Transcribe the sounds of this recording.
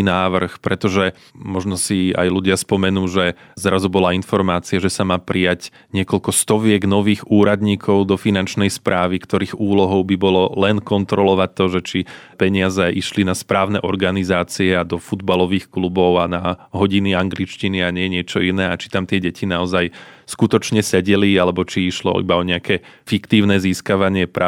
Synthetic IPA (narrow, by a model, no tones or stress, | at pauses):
naːʋr̩xpɾɛt̪ɔʒɛ | mɔʒnɔsia̰jluɟɪaspɔmɛnuːʒɛ | zɾazubɔlainfɔɾmaːt͡siaʒɛsamaːpɾʔijaɟ | ɲɪɛkɔlkɔst̪ɔʋɪɛɡnɔʋiːɣuːɾad̪ɲiːkʰɔʊd̪ɔfinant͡ʃnɛjspɾʔaːʋikt̪ɔɾiːɣuːlɔɦɔʊbibɔlɔlɛnkɔnt̪ɾɔlɔʋac̚t̪ːɔʒɛt͡ʃipɛɲɪazɛʔiʃlinaspɾaːʊnɛʔɔɾɡanizaːt͡siɛad̪ɔfud̪balɔʋiːxklubɔʊanaɦɔɟiniaŋɡlit͡ʃciniaɲɛɛɲɪɛt͡ʃɔinɛːat͡ʃi̥t̪amt̪ɪɛɟɛcʰinaɔzaj | skut̪ɔt͡ʃɲɛsɛɟɛlialɛbɔt͡ʃiiʃlɔ̰ḭbaɔɲɛakɛ | fikt̪iːʊnɛziːskaʋaɲɪɛpɾa